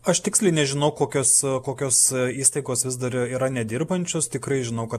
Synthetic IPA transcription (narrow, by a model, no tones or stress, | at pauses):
ɐʃt̪ʲɪksʲlʲɛɪnʲɛʒʲɪnɐʊkoːkʲoːskoːkʲoːsiːst̪ɐɪɡoːsʋʲɪzd̪ɐɾiːɾɐnʲɛd̪ʲɪrbɐnʲt͡ʃʲoːst̪ʲɪkɾɐɪʒʲɪnɐʊkɐt̪